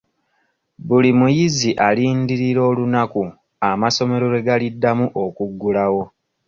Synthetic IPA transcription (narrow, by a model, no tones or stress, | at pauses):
bulimujiziʔaliːndiɾiɾo̞ːlunaku | amaso̞me̞ɾo̞ɾe̞ɡalidːamuʔo̞kuɡːulawo̞